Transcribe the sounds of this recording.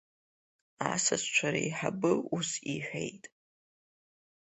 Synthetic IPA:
asast͡ʃʷʰaɾaiħabɨusiħʷᶣejtʼ

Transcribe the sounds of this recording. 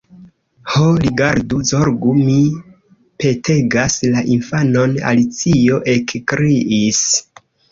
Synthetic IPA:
holiɡaɾduzoɾɡumi | pe̞te̞ɡaslaʔinfano̞na̰lit͡sio̞ʔe̞kkɾiʔis

